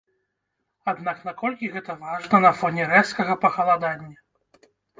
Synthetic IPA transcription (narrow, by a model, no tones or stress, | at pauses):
ad̪nakn̪akɔlʲkʲiɣɛt̪ɐvaʐnɐnɐfɔnʲɛɾɛt̪skɐɣɐpɐxɐlˠad̪anʲːɐ